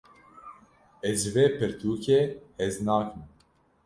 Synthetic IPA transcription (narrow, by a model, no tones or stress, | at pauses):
ɛzʒɨveːpɨɾt̪ʰuːkeɛznaːkɨm